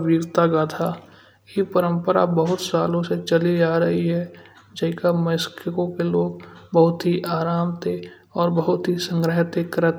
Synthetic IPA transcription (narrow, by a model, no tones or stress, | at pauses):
ʋiːɡt̪aɡaːt̪ʰa | jipəɾə̃mpəɾa̰bəɦʊt̪saːlõset͡ʃəlid͡ʒaːɾəɦiɦɛː | d͡ʒəɦɪkaməskəkõkeloːɡbəɦʊt̪ɦiʔaːɾaːmt̪e | ɔːɾbəɦʊt̪ɦisə̃ŋɡɾəɦt̪ekɾət̪